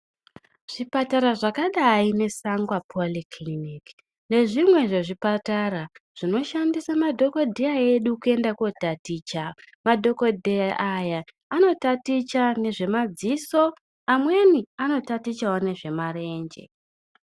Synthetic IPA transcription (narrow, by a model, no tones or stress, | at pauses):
ʐ̥ipataɾaʐakaɗaine̞saŋɡwapʰoliklinik | ne̞ʐimwe̞ʐe̞ʐipataraʐ̥ino̞ʃandisamadʱo̞ko̞dʱeaeɗukue̞ndako̞tatit͡ʃa | madʱo̞ko̞dʱeʔajaː | no̞tatit͡ʃane̞ʐe̞mad͡ziso̞ | amwe̞niano̞tatit͡ʃawone̞ʐe̞mare̞ːɲd͡ʒe̞̰